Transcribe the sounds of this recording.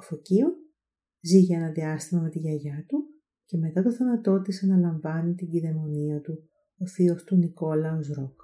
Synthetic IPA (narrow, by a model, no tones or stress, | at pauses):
ofo̞cio | ziʝeɐnɐnd̪iɐst̪imɐme̞t̪iʝɐʝɐt̪u | ce̞me̞t̪ɐt̪o̞θɐnɐt̪o̞t̪iseɐnɐlɐɱvɐnit̪iɟiðe̞mo̞niɐt̪u | oθio̞st̪uniko̞lɐozɾok